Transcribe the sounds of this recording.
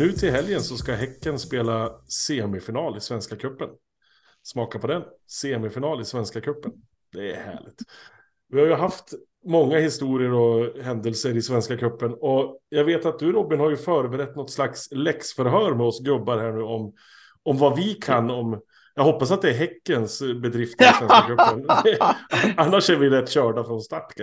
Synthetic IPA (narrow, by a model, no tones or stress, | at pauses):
nʉ̟ːt̪ʰɪlɦɛljənsɔskaɦɛkːənspeːlaseːɛmɛfɪnɑːlɪsvɛnskakʰɵpːən | smɑːkapʰɔd̪ɛnseːɛmɛfɪnɑːlɪsvɛnskakʰɵpːən | d̪̥ɛæ̰ɾhæ̰ːɭɪ̰ɡ̚t̪ | vɪhajɵɦaft̪ | mɔŋːahɪst̪uːɾɪəɾɔɦɛnd̪əlsəɾɪsvɛnskakʰɵpːənɔjɑːɡveːt̪at̪̚d̪ɵɾɔbːɪnhaɾjɵfœːɾəbɛɾɛt̪ːnɔt̪ːslakslɛksfœɾɦœːɾmɛɔsɡɾɵbːaɾhæːɳʉ̟ːɔm | ɔmvavɪkʰanːɔm | jɑːɡhɦɔpːasat̪̚d̪ɛːɾɦɛkːənsbɛd̪ɾɪft̪ʰɪsɛnsakʰɵːən | anːaʂæɾvɪɾɛt̪ːɕœːɖafɾɔnst̪aʈka